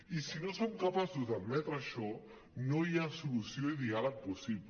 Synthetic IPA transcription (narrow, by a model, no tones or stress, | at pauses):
isinosomkəpasuzd̪əbmɛt̪ɾəʃɔ | nojasulusioiðialək̚pusipl